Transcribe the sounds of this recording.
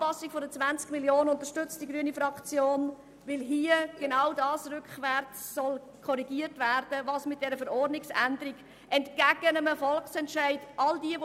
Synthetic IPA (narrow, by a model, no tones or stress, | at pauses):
ɑsiɡfodət͡sʋænt͡skmiljoːnənʊntəʃtʏt͡std̥iɡɾyənifɾɑkt͡sjoːn | vɪlɦiəɡ̥enaʊdɑːsrʏkχʋɛrt͡ssɔl | kʰɔɾiɡiərtværd̥əvɑːsmɪt̚d̥ɛɾəfəɾɔrdnɪksændəɾiɡ | ɛntɡ̥æɡənəməfɔlksɛntʃæɪd̥ʔɑldiəʋ